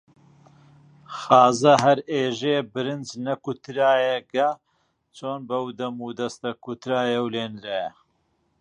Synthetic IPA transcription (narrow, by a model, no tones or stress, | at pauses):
xɑːzɐɦɐɾeːʒeːbɨɾɨnd͡ʒnɐkut̪ɾaːjɐɡɐ | t͡ʃʰoːnbɐwd̪ɐmud̪ɐst̪ɐkut̪ɾaːjɐwleːnɾaːjɐ